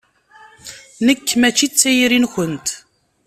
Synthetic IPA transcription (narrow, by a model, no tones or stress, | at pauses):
nəkːmæt͡ʃːit͡sːæjɾinçənt̪